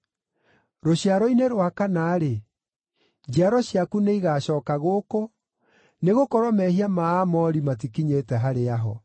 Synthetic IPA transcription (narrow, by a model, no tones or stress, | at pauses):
ɾoɕiaɾɔineɾwakanaːɾe | d͡ʒaɾɔɕiakuneiɣaɕɔːkaɣoːko | neɣokɔɾwɔmɛhiamaːmɔɾimat̬ikiɲetɛɦaɾeaɦɔ